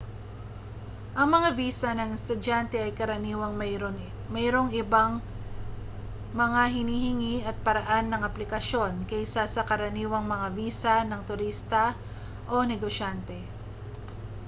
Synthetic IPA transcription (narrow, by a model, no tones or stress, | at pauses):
ʔɐŋmɐŋaviːsɐnɐŋɪst̪ʊdant̪ɛʔɐjkɐɾɐniːwɐŋ | mɛɾo̞ŋʔɪbaŋ | mɐŋaɦɪniːhɪŋiɐt̪̚pɐɾɐʔanːɐŋɐplɪkɐʃo̞nkɛjsasɐkɐɾɐniːwɐŋmɐŋaviːsɐnɐŋt̪ʊɾist̪ɐ | ʔo̞nɛɡoʃant̪ɛ